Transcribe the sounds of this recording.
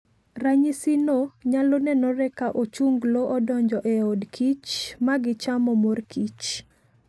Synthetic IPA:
raɲisinoɲalonɛnɔɾɛkaʔot͡ʃuŋɡloʔɔdɔɲd͡ʒɔʔɛodkʰit͡ʃmaɡɪt͡ʃamɔmorkʰit͡ʃ

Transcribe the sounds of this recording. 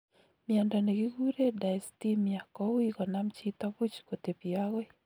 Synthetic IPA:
mjandɔneɡiɡuɾedastimjakɔwikɔnamt͡ʃit̪abut͡ʃkot̪epiaɣwɛ

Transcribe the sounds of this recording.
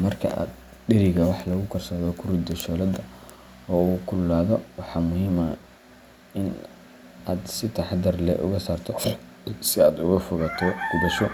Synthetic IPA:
mɐrkʰɐ̰ʔa̰ːd̪ | ɖɪɾɪɣɐwɑħlɐɣʊkʰɐrsaːðɔkʰʊɾɪd̪ɐʃɔːlɐd̪ɐ | ɔːukʰʊlːaːðɔwɑħɑːmʊɦiːmɐ | ɪn | ʔaːd̪sɪt̪ʰɐħɑd̪ɐrlɛ̰ʔʊ̰ɣɐsaːrt̪ʰɔ | sɪaːd̪ʊɣɐfʊɣɐt̪ʰɔɡ̥ʊðɐʃɔ

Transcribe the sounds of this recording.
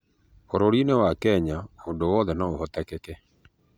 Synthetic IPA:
oɾoɾinewakɛɲaondowɔðɛnaohɔtɛkɛkɛ

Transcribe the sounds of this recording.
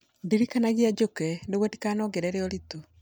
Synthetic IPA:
diɾikanaɣijad͡ʒokɛneɣwɛdikanɔɡeɾɛɾeɔɾito

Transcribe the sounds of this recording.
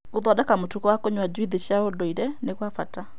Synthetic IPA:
oðwadakamotukɔwakoɲwad͡ʑiðeɕjaodɔiɾɛneɣwafata

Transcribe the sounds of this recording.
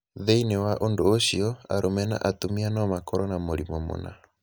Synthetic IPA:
ðeinewaʔondoːʃiɔa̰ɾomɛna̰ʔatomianɔmakɔɾɔnamoɾimomo̰na̰

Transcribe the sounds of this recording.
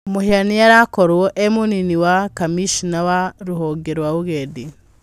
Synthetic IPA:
mohianiaɾakɔɾwɔʔemuniniwakamiʃinawaɾuɦɔɡeɾwaβuɣedi

